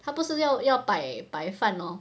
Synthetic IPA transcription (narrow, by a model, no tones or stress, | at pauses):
t̪ʰapuʂɻ̩jɑʊjɑʊpaɪpaɪfanlɔ